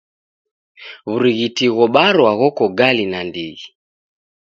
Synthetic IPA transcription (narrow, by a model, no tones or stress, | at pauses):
βuɾiɣitiɣɔɓaɾwaɣɔkɔɡalinandiɣi